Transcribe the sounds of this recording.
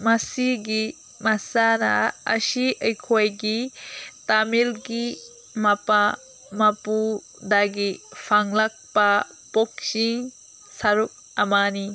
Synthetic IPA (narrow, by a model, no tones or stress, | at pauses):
mɐsiɡi | mɐsanɐ̰ɐ̰siʔɐjkʰojɡitamilɡi | mɐpa | mɐpu | daɡipʰaŋlɐk̚pɐ | pok̚siŋ | sɐɾuk̚ | ɐmani